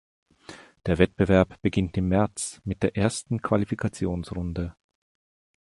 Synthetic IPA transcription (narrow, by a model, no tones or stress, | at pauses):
d̥eːɐvɛt̚b̥əvɛɐpb̥əɡɪntɪmːɛɐt͡smɪt̚d̥eːɐʔeːɐstn̩kʰv̥alifikʰat͡sjoːnsʁʊndə